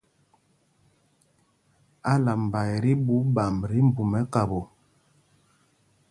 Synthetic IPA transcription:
a˦la˨m̩˨ba˨jɛ˨ɾi˦bu˨˦ba˨m˨ɾi˦m˦bu˨mɛ˦ka˨bo˨

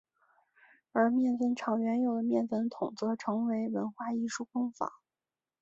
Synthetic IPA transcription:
ə˞˧˥mjɛ˥˧nfə˥nʈ͡ʂʰɑ˨˩ŋɥɛ˧˥njo˨˩ʊd̪ə˦mjɛ˥˩nfə˧˥nt̪ʰʊ˨˩ŋt͡sɤ˧˥ʈ͡ʂʰɤ˧˥ŋwe˧˥ɪwə˧˥nxwa˥˧i˥˧ʂu˥˩fɤ˥ŋfa̰˨˩˦

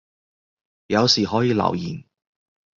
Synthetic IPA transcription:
jɐ˨˧wsiː˨˩ɦɔː˨˥jiː˨˧lɐ̰˨˩wjḭː˨˩n

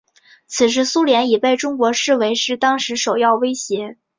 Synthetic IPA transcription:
t͡sʰɹ̩˨˩ʂ̬ɻ̩˧˥su˥ljɛ˧˥ni˨˩pe˥˩ɪʈ͡ʂʊ˥ŋkwɔ˧˥ʂɻ̩˥˩we˧˥ɪʂɻ̩˥˧t̪ɑ˥ŋʂɻ̩˧˥ʂo˨˩ʊjɑ˥˩ʊwe˥ɪɕjɛ˧˥

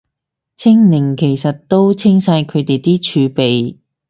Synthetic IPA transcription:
t͡sʰɪ˥ŋnɪ˨˩ŋkʰe˨˩jsɐ˨t̚t̪ːo˥wt͡sʰɪ˥ŋsaː˧jkʰɵ˨˧ɥt̪e˨jt̪iː˥t͡ʃʰyː˨˧pe˨j

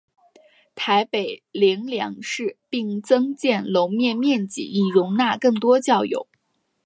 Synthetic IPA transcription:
t̪ʰa˧˥ɪpe˨˩ɪli˧˥ŋljɑ̰˧˥ŋʂɻ̩˥˧pi˥˩ŋt͡sɤ˥ŋt͡ɕjɛ˥˩nlo˧˥ʊmjɛ˥˧nmjɛ˥˩nt͡ɕḭ˨˩i˨˩ɻʊ˧˥ŋna˥˧kɤ˥˩ŋt̪wɔ˥t͡ɕjɑ˥˩ʊjo̰˨˧˩ʊ

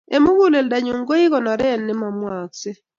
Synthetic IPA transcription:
e˨mu˦ɡu˦le˨lda˨ɲu˨ŋɡo˦ɪ˦kɔ˨nɔ˨ɾɛ˦˨nːɪ˦ma˨mwa˨ksɪ˦

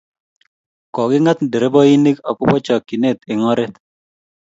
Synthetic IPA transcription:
kɔ˨ɡɪ˦ŋa˦t̪nde˨ɾe˦bɔ˦i˦ni˦kɔ˨kʊ˦pɔ˦t͡ʃɔ˨kːi˨ne˦˨t̪ɪ˨ŋɔ˦ɾɛ˦t̪

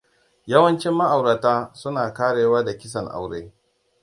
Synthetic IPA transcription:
jɐ˦wɐ˦nt͡ʃɪ˦mːa˦ʔa˨wɽa˨taː˦sʊ˦naː˨kaː˦ɽeː˨waː˦da˨kʲɪ˦s̬ɐ˨ŋʔa̰˨wɽeː˦

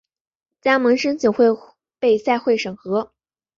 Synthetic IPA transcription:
t͡ɕja˥mɤ˧˥ŋʂə˥nt͡ɕʰjo˨˩ʊxwe˥˧ɪ | pe˥˧ɪsa˥˧ɪxwe˥˩ɪʂɤ˨˩ŋxɤ˧˥

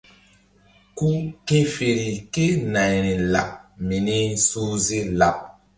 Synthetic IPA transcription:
ku˦ke˦fe˨ɾi˨ke˦na˨jɾi˨la̰˨p̚mi˨ni˦su˦zi˦la˨p̚

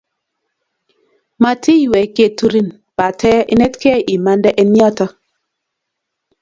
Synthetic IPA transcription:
ma˨tʰi˦˨wɛ˨ke˨tu˦ɾi˦n | pa˨tʰɛ˦ʔḭ˦nɛ˦tkɛ˦ʔi˨ma˦ndɛ˦ʔɛ˦njɔ˦tɔ˦

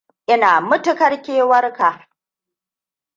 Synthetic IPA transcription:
ʔɪ˦naː˨mʊ˦tʊ˦kɐ˦rkʲeː˦wɐ˦rka˨

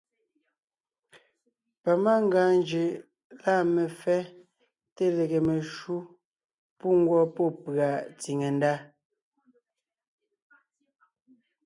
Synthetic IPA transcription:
pa˨ma˦ŋ˦ɡaː˨nd͡ʒe˨ | la˦˨me˨fɛ˦ | te˦le˨ɣe˨me˨ʃu˦ | pu˦ŋ̩˦ɡwɔ˦pɔ˦˨pɰa˨t͡si˨ŋe˨n˦da˦

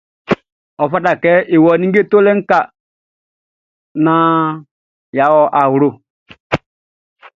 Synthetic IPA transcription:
ɔ˨fa˦da˨kɛ˦ʔe˨wɔ˨nĩ˦ŋ˦ɡe˦to˦lɛ˦ŋ̩˦ka˨ | nã˦ | ja˨˦wɔ˨ʔa˨wɾo˦˨

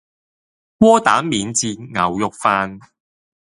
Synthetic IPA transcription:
wɔː˥t̪aː˨˥mːiː˨nt͡siː˧nŋɐ˨˩wjʊ˨k̚faː˧n

